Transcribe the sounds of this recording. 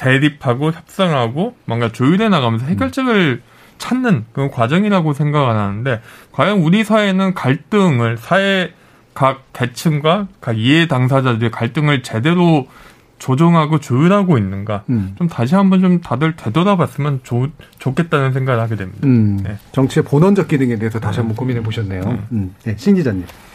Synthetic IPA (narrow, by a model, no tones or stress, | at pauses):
te̞ɾipʰaɡoçjʌp̚s͈aŋɦaɡomʌŋɡat͡ɕojuɾe̞naɣamjʌnsʰʌhʰe̞ɡjʌɭt͡ɕ͈ɯɡɯɭ | t͡ɕʰanːɯnkɯkwad͡ʑʌŋiɾaɡosʰe̞ŋɡaɡɯananɯnde̞kwajʌŋuɾisʰae̞nɯnkaɭt͈ɯŋɯɭsʰae | kak̚k͈ːe̞t͡ɕʰɯmɡwakaɡietaŋs̬ʰad͡ʑadɯɾekaɭt͈ɯŋɯɭt͡ɕe̞de̞ɾo | t͡ɕod͡ʑʌŋɦaɡot͡ɕɯiɾɦaɡoinːɯnɡat͡ɕomtaɕʰiɦambʌnt͡ɕomtadɯɭtwe̞dʌɾabas͈ɯmjʌnt͡ɕot͡ɕok͈ʰːe̞t̚t͈anɯns̬ʰe̞ŋɡaɡɯɭhaɡe̞dwe̞mɲid̥ane̞t͡ɕʌŋt͡ɕʰieponʌnd͡ʑʌk͈idɯŋɡendejototaɕiɦambʌnkominepoɕʰʌnːe̞jomje̞ɕʰind͡ʑid͡ʑaɲim